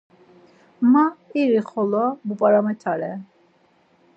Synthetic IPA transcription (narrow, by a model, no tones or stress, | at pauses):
maiɾiχɔlɔbupʼaɾamɛt̪ʰaɾɛ